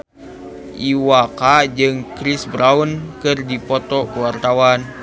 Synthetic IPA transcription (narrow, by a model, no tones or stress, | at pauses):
ʔiwakad͡ʒɨŋkɾisbɾaunkɨrdipɔt̪ɔkəwart̪awan